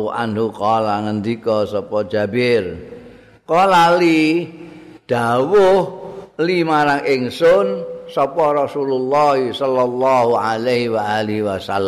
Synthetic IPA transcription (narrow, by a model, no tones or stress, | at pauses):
ʔa̰nɦuqɔlaŋənd̪ikɔsɔpɔ̥d͡ʒa̤bɪr | kɔlali | d̥a̤wʊhlimaɾaŋʔɪŋsʊnsɔpɔrɔsululːɑɦisɔlːɔlːɑɦualaɦiwaaliɦiwasalː